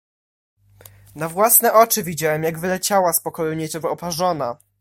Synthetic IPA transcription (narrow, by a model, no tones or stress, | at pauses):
navwasnɛʔɔt͡ʂɘvʲid͡ʑawɛmjaɡvɘlɛt͡ɕawaspɔkɔjuɲɛtɛvaɔpaʐɔna